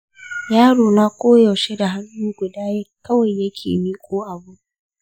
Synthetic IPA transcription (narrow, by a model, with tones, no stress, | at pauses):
jaː˦ɽoː˨naː˦kʷʼoː˦jɐ˨ʃe˦da˨ɦa˦nːuː˦ɡʷʊ˨daː˦jkɐ˦wɐ˨jːɐ˦kʲʰḛː˨miː˦kʷʼoː˦ʔa˨bʊ˦